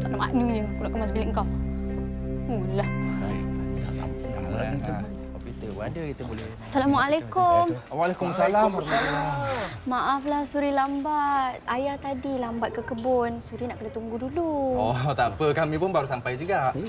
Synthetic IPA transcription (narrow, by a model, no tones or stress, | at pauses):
t̪aʔama̰ʔnuɲəkunaʔkəmasbilɪŋkaw | ulahaaina̰t̪a̰pəna̰malaint̪u | apikit̪əadəkit̪əbolɛhasalamaalakʊmwalekumasalama | maʔaflahsuɾilambat̪̚ajat̪adilambat̪̚kəkəbʊnsuɾinaʔkənat̪uŋɡuduluɔt̪apəkamĩpʊnbaɾusampajd͡ʒuɡaʔ